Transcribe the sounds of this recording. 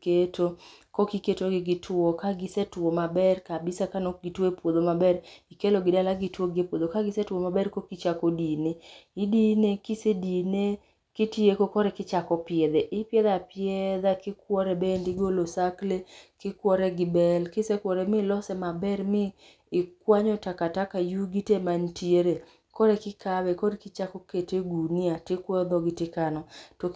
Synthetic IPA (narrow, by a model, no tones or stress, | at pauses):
ketokokiketoɡɪɡɪtʰwokaɡɪsɛtwomabɛrkabɪsakanoɡitwepwod̪omabɛɾikeloɡɪdalaɡitwoɡepwod̪okaɡɪsɛtwomabɛrkokit͡ʃakodineidinekisedine | kitiekokɔɾɛkɪt͡ʃakɔpjɛd̪ɛʔɪpjɛd̪apɪɛd̪akɪkwɔɾɛbendɪɡolosaklekɪkwɔɾɛɡɪbɛlkɪsɛkwɔɾɛmɪlɔsɛmabɛrmɪː | kwaɲɔtakatakajuɡitemantieɾe | kɔɾɛkɪkabɛkɔdkɪt͡ʃakɔketeɡuniatɪkwɔd̪ɔɡɪtɪkanɔtɔ